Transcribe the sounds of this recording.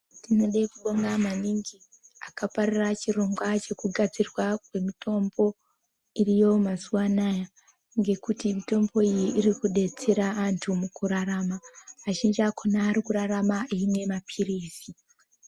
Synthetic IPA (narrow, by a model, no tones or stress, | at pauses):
tino̞ɗaikuɓoŋɡamaniŋɡi | akaparirat͡ʃiro̞ŋɡwat͡ʃe̞kuɡʱad͡zirwakwe̞mitʰo̞mbo̞ | irijo̞masuwanaja | ŋɡe̞kutimito̞mbo̞ijiʔːrikuɗe̞t͡seɾaːntʰumukuɾaɾamaːʃind͡ʒakʰonaːɾikuɾaramaʔiːmwe̞mapʰiriːsi